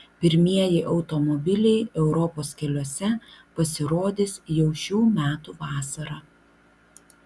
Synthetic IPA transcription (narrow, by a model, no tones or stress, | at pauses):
pʲɪɾʲmʲiɛjɪʔɒʊt̪ɔmɔbʲɪlʲɛɪɛʊɾɔpoːskʲɛlʲoɔsʲɛpɐsʲɪɾoːd̪ʲɪːsjɛʊʃʲuːmʲæːt̪uʋɑːsɐɾɑː